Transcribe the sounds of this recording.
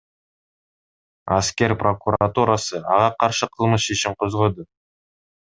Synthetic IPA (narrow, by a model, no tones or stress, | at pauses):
ɑskʲe̞ɾpro̞kuɾat̪uɾasəɑ̰ʁɑqʰɑɾʃəqʰəlˠməsʃeʃɪmqʰozʁod̪ə